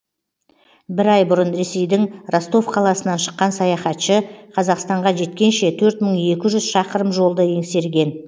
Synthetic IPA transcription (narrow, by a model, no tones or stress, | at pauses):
bɪɾɑjbʊɾənɾe̞se̞jd̪ɪŋrost̪o̞fqʰɑlˠɑsənɑnʃə̥qːɑnsɑjɑχɑt̪ʃəqʰɑzɑqst̪ɑɴʁɑʒe̞t̪kʲe̞nʃe̞t̪ʰɵɾt̪məɴe̞kʲɪʒʏz̥ʃɑqəɾəmʒo̞lˠd̪əe̞ŋse̞ɾɡʲe̞n